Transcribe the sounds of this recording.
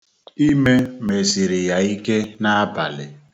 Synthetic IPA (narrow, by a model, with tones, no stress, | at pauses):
i˦me˦me˨si˨ɾi˨ja˨i˦ke˦na˦a˦ba̰˨lɪ˨